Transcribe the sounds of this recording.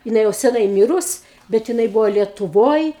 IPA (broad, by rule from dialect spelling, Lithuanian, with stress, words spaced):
jɪˈnɐɪ jɛʊ sʲɛˈnɐɪ ˈmʲiːrʊs bʲɛt jɪˈnɐɪ ˈbuːʋoː lʲiɛtʊˈʋoːj